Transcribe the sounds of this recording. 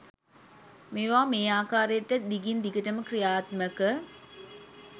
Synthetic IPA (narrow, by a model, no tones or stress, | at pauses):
meʋaːmeːaːkaːɾəjeʈːɐd̪iɡind̪iɡəʈɐməkrijaːt̪mɐkə